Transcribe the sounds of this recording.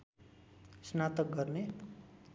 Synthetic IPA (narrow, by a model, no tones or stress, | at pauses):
snat̪ʌk̚ɡʌrne